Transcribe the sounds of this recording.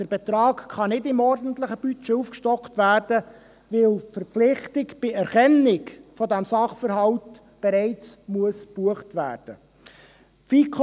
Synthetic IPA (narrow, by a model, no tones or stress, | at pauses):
d̥əɾbɛt̪ɾɑːkχɑnɪdɪmɔrdən̩t̪ləχəb̥yt͡ʃɛufkʃtɔkχtʋæːrd̥ə | ʋɪlfəɾflɪχtɪkb̥ɪɛɾχɛnɪkfɔdæmsɑχfəɾɦɑwt | b̥ɛɾɛɪt͡smuəsb̥uəχtʋæ̰ːrd̥ə̰ | fikʰ